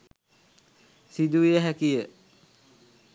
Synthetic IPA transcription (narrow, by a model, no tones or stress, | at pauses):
sid̪uʋijəɦækijə